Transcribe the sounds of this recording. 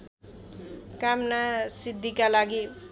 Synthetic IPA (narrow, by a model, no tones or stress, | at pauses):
kamnasid̪ʱːikalaɡi